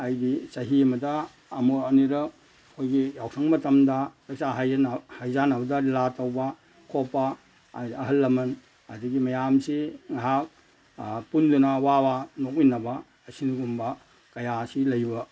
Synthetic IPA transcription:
ajdisɐɦiɐmɐdɐː | muɾɐniɾɐk̚ | kʰojɡijawsʰɐŋmɐtɐmdɐɾɐk̚saɦahajzanawdɐlatɐwbɐ | kʰopːɐ | ɐɦɐlːɐmɐn | ɐ̰diɡimɐjamsiŋaɦak̚ | pundunɐwawanok̚inɐbɐː | sinɡumbɐ | kɐjasilɐjbɐ

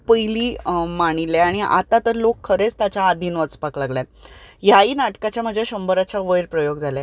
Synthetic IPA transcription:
pəjliːmaɽ̃ileaɽ̃iʔa̰t̪at̪əɾlokʰːəɾet͡st̪at͡ɕaːd̪ʱinʋət͡spaklaɡljat̪̚jaiːnaʈkat͡ɕjam̤əd͡ʑjaɕəmbəɾat͡ɕaʋəjɾpɾəjoɡd͡zʱala

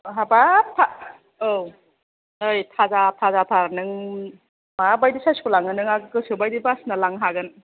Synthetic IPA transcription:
ɦabatʰa | o | ɯjtʰazatʰazatʰaɾnɯŋ | mabajdisajskulaŋɯnɯŋaɡɯkɯsiwbajdibasnalaŋɦaɡɯn

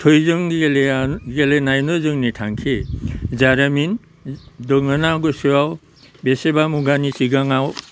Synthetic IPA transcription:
tʰojzɯŋ | ɡelenajnɯzɯŋnitʰaŋkʰizaɾamin | dɯŋɯnaɡɯsuaw | besebamuɡanisiɡaŋaw

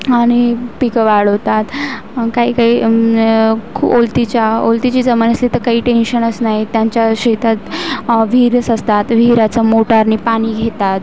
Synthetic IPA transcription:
aɽ̃ipikəʋaɭəʋt̪at̪ | kaɦiːkaɦiː | kʰṵpolt̪it͡ɕjaolt̪it͡ɕiːd͡zəmənəsliːt̪əɾkaɦiːʈenɕənəsnaɦit̪jaɲt͡ɕjaɕet̪at̪ʋʱiɾsəst̪at̪ʋʱiɾat͡səmoʈaɾniːpaɽ̃iːɡʱet̪at̪

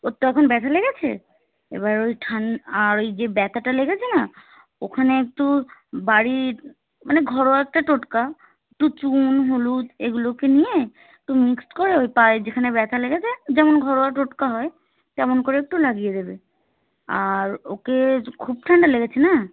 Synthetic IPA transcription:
ot̪ːoɛkʰonbɛt̪ʰaleɡet͡ɕʰḛ | ḛβaojʈʰaɳaɾojd͡ʑebɛt̪ʰaʈaleɡet͡ɕʰena | o̰kʰaneek̚ʈubaɾi | maneɡʱɔɾoaɛk̚ʈaʈoʈka | ek̚ʈut͡ɕunɦolud͡ʒeɡulokenije | ek̚ʈumiksʈkoɾeojpajd͡ʑekʰanebɛt̪ʰaleɡet͡ɕʰed͡ʑɛmonɡʱɔɾoaʈoʈkaɦɔe | t̪ɛmonkoɾeek̚ʈulaɡijed̪ebe | aɾokekʰub̚ʈʰaɳɖaleɡet͡ɕʰena

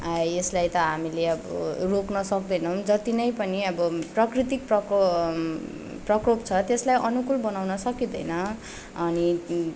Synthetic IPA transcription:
eslajt̪ʌɦamileʌbʌ̰roknʌsʌk̚d̪ʌjnʌmd͡zʌt̪inʌjpʌniʌbʌprʌkrit̪ik̚prʌ | prʌkropt͡sʰʌt̪eslajʔʌnukulbʌnawnʌsʌkid̪ʌjnʌ | ʌni

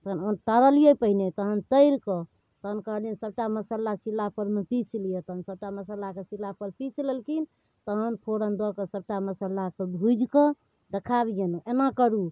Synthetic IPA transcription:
t̪əɦənont̪əɾəlijəpəɦinet̪əɦənt̪əɪɾke | t̪əɦənkəɦlijənsəb̚ʈaməsəlːasilːapʰəɾmepislijet̪əɦənsəb̚ʈaməsəlakesilːapəɾpislelkin | t̪əɦənpʰoɾənd̪ɔkesəb̚ʈaməsəlːakebʱud͡ʒʱkə | d̪ekʰabijenoenakəɾu

